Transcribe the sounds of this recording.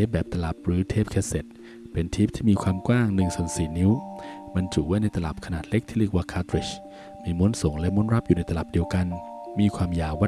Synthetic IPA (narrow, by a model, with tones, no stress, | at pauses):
eː˦˥˩p̚bɛː˨˩p̚t̪a˧la˨˩p̚ɾɯː˩˦t̪ʰeː˥˩p̚kʰɛː˧se˨˩t̪̚ | pe˧nt̪ʰiː˦˥˩p̚t̪ʰiː˥˩miː˧kʰwaː˧mkwaː˥˩ŋnɯ˧˩ŋsu˨˩ənsiː˨˩˦ni˦˥wma˧nt͡ɕu˨˩waː˥˩jna˧jt̪a˧la̰˨˩p̚kʰa˧naː˨˩t̪̚le˦˥k̚t̪ʰiː˥˩ɯ˥˩ək̚waː˧˩kʰaː˧˥t̪ɾi˨˩ɕ | miː˧mu˦˥˨nso˩˦ŋlɛ˦˥mu˦˥˨nɾa˦˥p̚ju˨˩na˧jt̪a˧la˨˩p̚di˧əwka˧n | miː˧kʰwaː˧mjaː˨˩waː˧˥˩